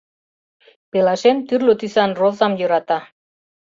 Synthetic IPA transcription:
pelɑʃemt̪yrlot̪ysɑnrozɑmjøɾɑt̪ɑ

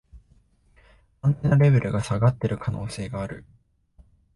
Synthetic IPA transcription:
ãnt̪enaɾe̞be̞ɾʔɯ̟ɡasaɡat̪ːe̞ɾɯ̟kʰano̞̰ːse̞ːɡaːɾɯ̟

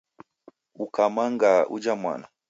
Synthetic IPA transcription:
ukamaŋɡaṵd͡ʒamwa̰na

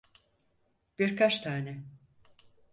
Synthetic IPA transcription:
b̥iɾkʰat͡ʃt̪ʰaːnɛ

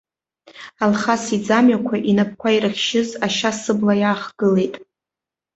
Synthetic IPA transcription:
alχasid͡zamɥakʷʰaʔinap̚ʰkʷʰairɨχʲʃɪzaʃasɨblajaːχɡ̥ɨle̞jtʼ

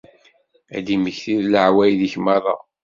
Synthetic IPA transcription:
æ̰d̪iməçθiðləʕwæjðiçmɑðˤɑ̰

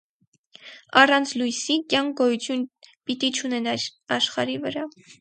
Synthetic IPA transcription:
ɑrɑnt͡sʰlujsikjɑŋk̚ʰɡɔjut͡sʰjunpit̪it͡ʃʰunɛnɑɾɑʃχɑ̰ɾivəɾɑ

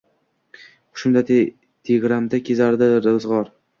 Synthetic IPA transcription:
ʊ̥ʃʊnd̪a | t̪ʰeɡɾamd̪akʲʰezaɾd̪aɾzʁɒɾ

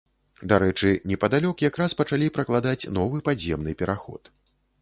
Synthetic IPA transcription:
d̪aɾɛt͡ʂɨnʲɛpɐd̪alʲɔkjakɾaspɐt͡ʂalʲipɾɐklˠad̪at͡sʲnɔvɨpazʲjɛmnɨpʲɛɾʔaxɔ̰t̪

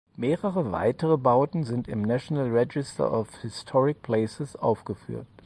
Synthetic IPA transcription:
meːʁəʁəva̰ɪtəʁəbaʊtn̩zɪntɪmnaʃonalʁɛd͡ʒɪstʰɐ̰ʔɔfhɪstʰɔʁɪk̚pʰl̥ɛːsəsʔaʊfɡ̥əfy̰ːɐt

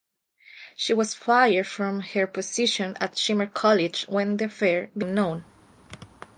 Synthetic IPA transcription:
ʃiwɔsfajəɹfɹɔ̃mhəɹpʰɔsɪʃɔ̃natʃĩməɹkʰɔlɪd͡ʒwɛ̃nd̪ifɛɹbĩmnõʊ̃n

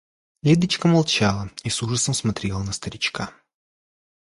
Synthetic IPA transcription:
lʲed̪ət͡ɕkəmɐlˠt͡ɕalˠəisuʐəsəmsmɐt̪ɾʲelˠənəst̪əɾʲɪt͡ɕka

